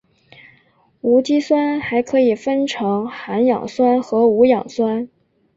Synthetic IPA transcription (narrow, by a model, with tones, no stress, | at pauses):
u˧˥t͡ɕi˥swa˥nxa˧˥ɪkʰɤ˧˥i˨˩fə˥nʈ͡ʂʰɤ˧˥ŋxa˧˥njɑ̰˨˩ŋswa˥nxɤ˧˥u˧˥jɑ˨˩ŋswa˥n